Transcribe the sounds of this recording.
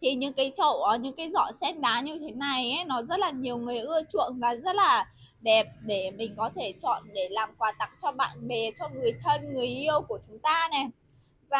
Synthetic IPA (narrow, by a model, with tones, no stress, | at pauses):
t̪ʰi˨˩ɲɨ̰˧˥ŋkaː˨˦jt͡ɕə̰˧˩wʔɔ˨˦ɲɨ̰˧˥ŋkaː˨˦jzɔ̰˧˩sɛ˧nɗaː˨˦ɲɨ˧t̪ʰe˨˦na˨˩jʔɛ˨˦nɔ˨˦zə˦˥t̚laː˨˩ɲi˨˩əwŋɨ˨˩əjʔɨ˧ət͡ɕṵ˧˨ənvaː˨˩zə˦˥t̚laː˨˩ | ɗɛ˨˩p̚ɗe˧˩mï˨˩ŋ̟kɔ˨˦t̪ʰe˧˩t͡ɕɔ̰˧˨nɗe˧˩laː˨˩mkwaː˨˦t̪a˦˥k̚t͡ɕɔ˧ɓa̰ː˧˨nɓe˨˩t͡ɕɔ˧ŋɨ˨˩əjt̪ʰə˧nŋɨ˨˩əjʔi˧əwku˧˩ət͡ɕʊ˨˦ŋ͡mt̪aː˧nɛ˨˩ | vaː˨˩